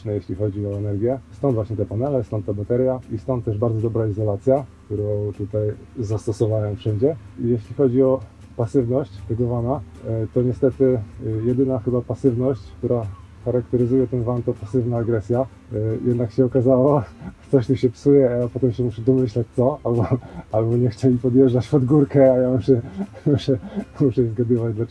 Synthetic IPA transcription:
nɛjeɕlʲixɔd͡ʑiɔɛnɛɾɡʲjɛst̪ɔ̃nd̪vwaɕɲɛt̪ɛpanɛlɛst̪ɔ̃nt̪ːɛbat̪ɛɾjaist̪ɔnt̪ːɛʐbaɾd̪zɔd̪ɔbɾaizɔlat̪sʲjak̚t̪uɾɔ̃w̃t̪ut̪aj | zast̪ɔsɔvawɛwfʂɛɲd͡ʑɛijeɕlʲixɔd͡ʑiɔ | pasɘvnɔɕt͡ɕt̪ɛɡɔvanat̪ɔɲɛst̪ɛt̪ɘjɛd̪ɘnaxɘbapasɘvnɔɕt͡ɕkt̪uɾa | xaɾakt̪ɛɾɘzujɛt̪ɛnvamt̪ɔpasɘvnaːɡɾɛsʲja | jʔɛd̪nakɕɛɔkazawɔkt̪ɔɕt̪uɕɛpsujɛajapɔt̪ɛmɕɛmuʂɛd̪ɔmɘɕlat͡ɕt̪sɔalbɔalbɔɲɛxt͡ɕɛlʲipɔd̪ʲjɛʐat͡ɕpɔd̪ɡuɾkɛajamuʂɛmuʂɛmuʂɛizɡad̪ɨvad͡ʑd̪la

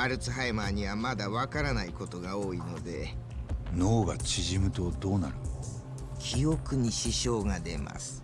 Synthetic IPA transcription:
aɾɯ̟t͡sɨɦaemaːɲ̟iβamad̪aβakaɾanaiko̞t̪o̞ɡao̞ːino̞d̪e̞ | noːɡat͡ɕiʑimɯ̟t̪o̞d̪o̞ːnaɾɯ̟ | kʲʰio̞kɯ̟ɲ̟iɕiɕo̞ːɡad̪e̞ma̰sɨ̥

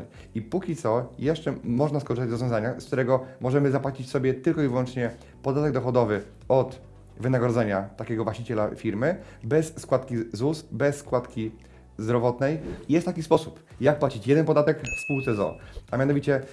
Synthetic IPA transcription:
ipukʲit̪sɔjɛʂt͡ʂɛmɔʐnaskɔʐɘst̪ad͡ʑvɾɔzvʲjɔ̃zaɲaskt̪uɾɛɡɔmɔʐɛmɘzapwat͡ɕit͡ɕsɔbʲjɛt̪ɘlkɔivwɔnt͡ʂɲɛ | pɔd̪at̪ɛɡ̚d̪ɔxɔd̪ɔvɘ | ɔt̪ | vɘnaɡɾɔd̪zɛɲat̪akʲɛɡɔvwaɕt͡ɕit͡ɕɛlafʲiɾmɘbɛsːkwat̪kʲizusbɛsːkwat̪kʲi | zd̪ɾɔvɔt̪nɛjjɛst̪ːakʲispɔsup | jak̚pwat͡ɕit͡ɕjɛd̪ɛnpɔd̪at̪ɛkfspuwt̪ɛzɔ̰amʲjanɔvʲit͡ɕɛ

